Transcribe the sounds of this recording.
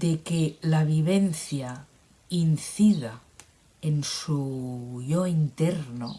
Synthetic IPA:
d̪̥ekelaβ̞iβenθja | inθiða | ensuʎoint̪eɾno̰

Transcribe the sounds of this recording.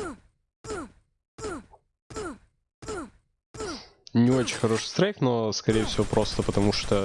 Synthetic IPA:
nʲɪo̞t͡ɕɪnʲxɐɾo̞ʂɨ̥st̪ɾɛknoskɐɾʲejɪfsʲɪvʲo̞pɾo̞st̪əpət̪ɐmuʂt̪o

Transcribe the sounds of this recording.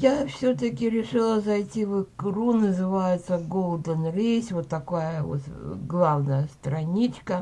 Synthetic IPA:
jafsʲɵt̪əkʲɪɾʲɪʂɨlˠəzɐjtʲivɨkɾunəzɨvajɪt̪səɡolˠd̪ənrʲesʲvot̪ːɐkajəvo̰t̪ɡlˠavnəjəst̪ɾɐnʲit͡ɕkə

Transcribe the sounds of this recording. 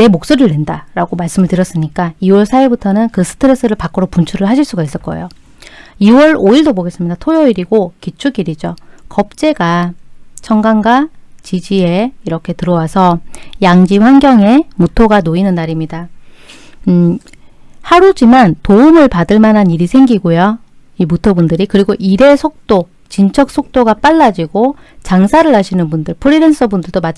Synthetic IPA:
ne̞mok̚s͈oɾɯɭːendaɾaɡomaɭs͈ɯmɯɭtɯɾjʌs͈ɯmɲik͈aiwʌɭsʰaiɭbutʰʌnɯnkɯsʰɯ̥tʰɯɾe̞s͈ʰɯɾɯɭpak͈ɯɾopunt͡ɕʰuɾɯɭɦaɕʰiɭs͈uɡais͈ɯɭk͈ʌḛjo | iwʌɾoiɭdoboɡe̞s͈ɯmɲidatʰojʌiɾiɡokit͡ɕʰuɡiɾid͡ʑokʌp̚t͡ɕ͈e̞ɡat͡ɕʰʌŋɡaŋɡwat͡ɕid͡ʑie̞iɾʌkʰe̞tɯɾʌwasʰʌjaŋd͡ʑiɸwaŋɡʲjʌŋe̞mutʰoɡanoinɯnːaɾimɲida | haɾud͡ʑimantoumɯɭpadɯɭmanɦaniɾisʰe̞ŋɡiɡojo | imutʰʌbundɯɾikɯɾiɡoʔiɾe̞sʰok̚t͈o | t͡ɕint͡ɕʰʌk̚s͈ok̚t͈oɡap͈aɭːad͡ʑiɡo | t͡ɕaŋsʰaɾɯɭɦaɕʰinɯnbundɯɭpʰɯɾiɾens͈ʰʌbundɯɭdoma

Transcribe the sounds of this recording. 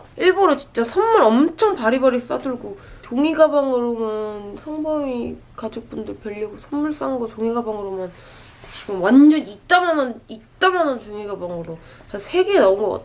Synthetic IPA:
iɭboɾot͡ɕi̥nt͡ɕ͈asʰʌnmːuɾʌmt͡ɕʰʌŋpaɾibʌɾis͈a̰dɯɭɡotoŋiɡabaŋɯɾomjʌnsʰʌŋbʌŋi | kad͡ʑok̚p͈undɯɭpeɭːiɡosʰʌnːuɭs͈aŋɡʌtoŋiɡabaŋɯɾomjʌn | t͡ɕiɡɯmwand͡ʑʌnit͈amanʌnit͈amanʌntoŋiɡabaŋɡɯɾo | asʰe̞ɡenaunɡʌk͈a̰t

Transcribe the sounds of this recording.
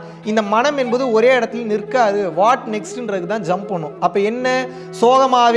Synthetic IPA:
ɪnd̪ɐmɐnɐmɛnbɐðɯɔɾeːɪɽɐt̪ːɪlnɪɾkːaːðɯʋaːʈnɛksʈɪndrɐðɯkːɯt̪ãːd͡ʒɐmpɐɳːʊ̃ɐpːɐːɛnːɐ | soːɣɐmaːʋ

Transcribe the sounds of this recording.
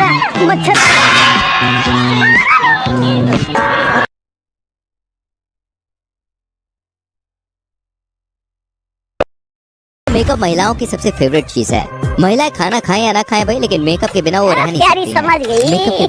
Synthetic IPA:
mɐt͡ʃʰɐ | meːkəp̚mɐɦɪlaːõkisɐbsefeːʋɾɪʈ̚t͡ʃḭːzɦɛ̰ːmɐɦɪlaẽkʰaːnakʰaːẽjanɐkʰaːẽbʱaileːkɪnmeːkəp̚kebɪnaʋoɾɛɦniaaɾiiɐməd͡ʒɡɐimeːkə

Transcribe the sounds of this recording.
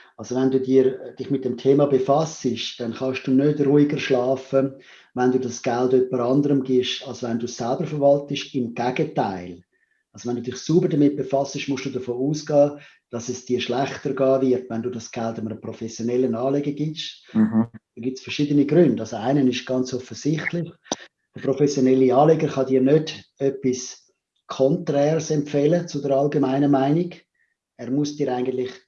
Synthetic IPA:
ɑlsovɛnduːdiːɾd̥ɪχmɪt̚d̥ɛmtʰeːmɑbefɑsəʃd̥ɛnχɑʃd̥uːnødruːɪɡəɾʃlɑːfə | vɛnduːdɑsɡ̥aldœpːəɾɑndəɾəmɡɪʃɑlsovɛnduːssælbəɾfəɾvɑltɪʃɪmɡ̥æɡ̥ətaɪl | ɑlsovɛnduːdɪχsuːbəɾdəmɪt̚b̥efɑsəʃmʊsd̥uːdəfoːuːsɡ̥ɑː | d̥ɑsɛsd̥iːʃlæχtəɾɡɑːvɪɾtvɛnduːdɑsɡ̥altɪməɾəpɾofɛsjonɛlːənɑːleɡəɡiʃ | d̥ɑnɡitsfəɾʃiːdəniɡɾʏnd̥ɑlsoaɪnənɪʃɡ̥ɑnt͡sɔfəz̥ɪχtlɪχ | d̥əpɾofɛsjonɛlːiɑːleɡəɾχɑdiːnødœpis | kʰɔntrɛːrsɛmpfɛlət͡sʊdəɾɑlɡemaɪnəmaɪniɡ | ɛːɾmʊsd̥iːɾaɪɡəntlɪχ

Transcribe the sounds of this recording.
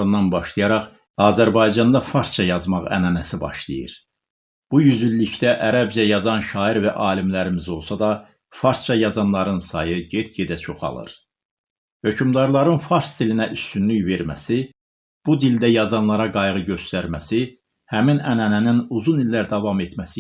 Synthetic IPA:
ɯnːɑnbɑʃlˠɯjɑɾɑχ | ɑːzæɾbɑjd͡ʒɑnd̪ɑfɑɾst͡ʃʰɑjɑzmɑʁæ̰nænæsibɑ̰ʃlˠḭjḭɾ | b̥ujyzylːict̪æʔæɾæbd͡ʒæjɑzɑnʃɑːiɾvæʔɑːlimlæɾimizo̞lˠsɑd̪ɑ | fɑɾst͡ʃʰɑjɑzɑnlˠɑɾɯnsɑjɯɟe̞t̪ɟed̪æt͡ʃʰo̞χɑ̰lˠɯ̰ɾ | hø̞cʰymd̪ɑɾlˠɑɾɯnfɑɾst̪ilinæʔyst̪ynlyçve̞ɾmæ̰si | b̥ud̪ild̪æjɑzɑnlˠɑɾɑɡɑjʁɯɟø̞st̪æɾmæsi | hæminænænæninuzunilːæɾd̪ɑvɑme̞t̪ʰmæsi

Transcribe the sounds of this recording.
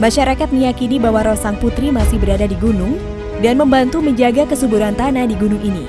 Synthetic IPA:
maʃaɾakat̪̚məjakinibawaɾosaŋput̪ɾimasɪhbəɾadadiɡunʊŋ | danməmbant̪uməɲd͡ʒaɡakəsubuɾant̪anadiɡunʊŋini

